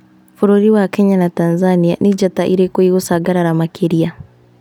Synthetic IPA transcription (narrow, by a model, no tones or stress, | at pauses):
fuɾoɾiwakeɲanatanzanija̰nid͡ʒataʔiɾekoiɣosaɡaɾaɾamakʰeɾia